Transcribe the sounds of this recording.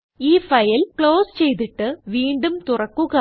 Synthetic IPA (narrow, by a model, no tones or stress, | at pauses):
iːfɐjilkɭoːst͡ɕe̞jt̪̬iʈːɨʋiːɳɖumt̪urɐkːuɣɐ